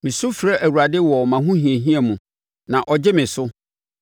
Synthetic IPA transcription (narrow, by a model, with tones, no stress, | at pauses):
mɪ̃˨sʊ˦fɾɛ˦ʔæ˨wu˨ɾa˨dɪ˦wɔ˨mã˨ɦũ˦hĩ˨e˨ɦĩ˦ɛ˨mũ˨ | nã˨ʔɔ˨d͡ʑɪ˦mɪ̃˨sʊ˦